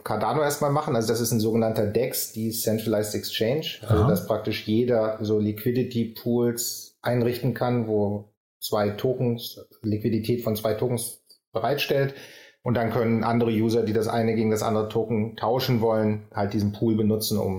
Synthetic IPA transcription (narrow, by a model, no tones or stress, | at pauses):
kʰaɐdaːnoʔeːɐstmaːlmaχn̩ʔalzodasɪstnzoːɡənantɐdɛksd̥iːsɛntʁəlaɪstɛkst͡ʃɛɪnʃʔa̰lzodaspʁ̥ak̚tɪʃjeːdɐzoːlikʰv̥ɪdɪtʰipʰuːlsʔaɪnʁɪçtn̩kʰanvoː | t͡sv̥aɪtʰoːkŋ̩slikv̥iditʰɛːtfɔnt͡sv̥aɪtʰoːkŋ̩sb̥əʁaɪtʃtɛltʔʊnt̚d̥ankʰœnənʔandəʁ̞əjuːzɐdiːdasʔa̰ɪnəɡeːɡŋ̩dasʔa̰ndəʁətʰoːkŋ̩tʰaʊʃn̩vɔlənhalt̚d̥iːzn̩pʰuːlbənʊt͡sn̩ʊ̰m